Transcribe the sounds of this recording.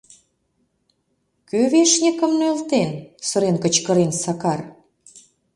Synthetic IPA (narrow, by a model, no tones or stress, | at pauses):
køβeʃnʲəkə̆mnølt̪ensɤ̆ɾenkə̆t͡ɕkə̆ɾensɑkɑr